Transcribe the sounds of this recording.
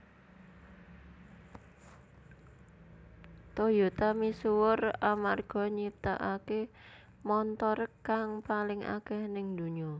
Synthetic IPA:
t̪ojot̪amisuwʊramarɡ̥ɔ̤ɲip̚t̪a̰ʔake | mɔnt̪ɔɾkːaŋpalɪŋa̰kɛhnɪŋd̪̥ṳɲɔ

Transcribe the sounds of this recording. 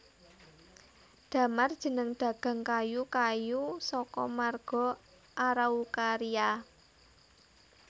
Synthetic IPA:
d̥ä̤mard̥ʒ̥ə̤nəŋd̥ä̤ɡ̥ä̤ŋkajukajusɔkɔmarɡ̥ɔ̤ | ʔaɾaukaɾia

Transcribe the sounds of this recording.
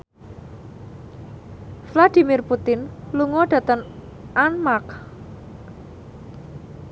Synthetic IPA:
flad̪̥i̤mirput̪ɪnluŋɔɖ̥ä̤t̪əŋ | ʔanmak

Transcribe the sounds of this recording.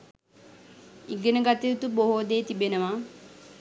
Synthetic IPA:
iɡenəɡat̪iɾut̪uboɦod̪eːt̪ibenəʋa

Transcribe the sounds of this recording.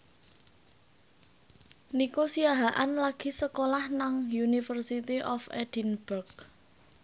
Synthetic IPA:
nikosiaɦaʔanlaɡ̥i̤səkolahnaŋjunifərsit̪iʔɔfḛd̥inb̥urɡ

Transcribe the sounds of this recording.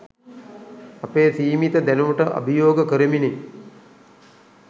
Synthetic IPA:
ɐpeːsiːmit̪əd̪ænuʋəʈəʔa̰bijoːɡəkəɾəmini

